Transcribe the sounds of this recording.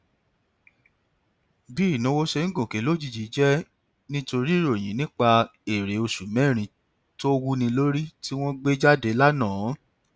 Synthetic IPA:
bi˦˨nũ˨˦wo˦ʃe˧˦n̩˦ɡõ˨ke˨˦lo˦d͡ʒi˦˧˨d͡ʒi˨˦d͡ʒɛ˦ | nĩ˦to˧ɾi˦ɾo˨j̃ĩ˨˦nĩ˦k͡pa˧e˨ɾe˨o˧ʃu˨mɛ̃˦˨ɾ̃ĩ˧˦ | to˦wu˦nĩ˧lo˦ɾi˦ti˦w̃ɔ̃˦ɡ͡be˦d͡ʒa˦˨de˨˦la˦nãː˦˨˦

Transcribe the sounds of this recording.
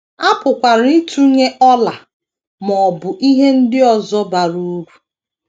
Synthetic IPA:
a˦pʊ˨kʷa˨ɾi˦tʰu˦ɲe˦ʔɔ˦la˨ | mɔ˨bʊ˨ʔi˦ɦe˦n̩˦dɪ˦ɔ˨zɔ˦ba˨ɾu˦ɡʷu˨

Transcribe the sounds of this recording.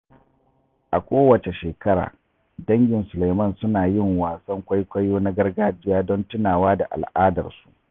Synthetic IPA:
ʔa˨kʷoː˦wɐ˨t͡ʃe˨ʃeː˨kɐ˦ɽa̰ː˨ | dɐ˦ŋɡʲɪ˨nsʊ˨la˨jmɐ˦˨nsʊ˦naː˨jɪ˦˨ŋwaː˨sɐ˦ŋkʷa˦jkʷɐ˦joː˦na˦ɡɐ˦rɡaː˦d͡ʒɪ˦jaː˦dɔ˦ntɪ˦naː˨waː˦da̰˨ʔa̰˨lʔaː˦dɐ̰˨rsu̥˦ʔ

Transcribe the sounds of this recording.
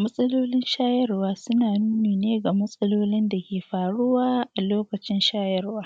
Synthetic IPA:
mɐ˦sʼɐ˦loː˦lɪ˦nʃaː˦jɐ˦rwaː˦sʊ˦naː˨nuː˦neː˨neː˦ɡa˨mɐ˦sʼɐ˦loː˦lɪ˦nda˨kʲeː˨ɸaː˨ɽʊ˦waː˦ʔa˨loː˦kɐ˨t͡ʃɪ˦nʃaː˦jɐ˦rwaː˦

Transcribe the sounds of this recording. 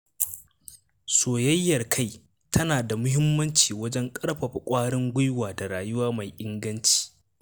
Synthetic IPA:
soː˨jɐ˦jːɐ˨rkʰa˦˨j | tʰɐ˦naː˨da˨mʊ˦ɦɪ˦mːɐ˦nt͡ʃiː˨wɐ˦d͡ʒɛ˦ŋkʼɐ˦ɽɸɐ˨ɸa˨kʷʼaː˦ɽɪ˦ŋɡʷʊ˦jwaː˨da˨ɽaː˨jʊ˦waː˦ma˨jʔɪ˦ŋɡɐ˦nt͡ʃi̥ː˨

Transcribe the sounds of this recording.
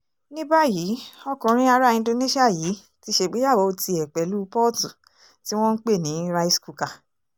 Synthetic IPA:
nĩ˦ba˦ji˨˦ɔ˧kũ˨ɾ̃ĩ˧˦a˧ɾa˦ĩ˧ndo˧ne˦ʃi˦a˦˨ji˨˦ | ti˧˦ʃe˧ɡ͡be˦ja˦˨wo˨˧o˧ti˧ɛ˨k͡pɛ˨˦lu˦pɔ˦˨tu˨ | ti˦w̃ɔ̃˦n̩˦k͡pe˦˨nĩ˨˦ɾa˧i˧sku˨ka˨

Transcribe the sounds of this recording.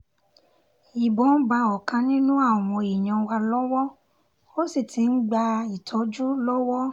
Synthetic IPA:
i˨bɔ˨˦n̩˦ba˧ɔ˨kã˧nĩ˦nũ˦a˦˨w̃ɔ̃˧i˨ɲã˧wa˧lɔ˦wɔ˦ | o˦si˦˨tʰi˨˦n̩˦ɡ͡ba˧i˨tʰɔ˨˦d͡ʒu˦lɔ˦wɔ˦

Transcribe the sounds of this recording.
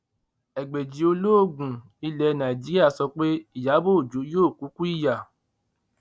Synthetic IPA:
ɛ˨ɡ͡be˨d͡ʒi˨o˧lo˦o˦˨ɡũ˨ | i˧lɛ˧nã˨i˨d͡ʒi˨˦ɾi˦a˦˨sɔ˧k͡pe˦i˦˨ja˨˦bo˦˨d͡ʒo˨˦joː˦˨ku˨˦ku˦i˦˨ja˨

